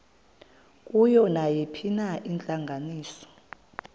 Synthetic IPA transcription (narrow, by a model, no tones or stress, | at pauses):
kʼujɔnajepʰinaʔint͡ɬʼaŋɡʱaniːsɔ̥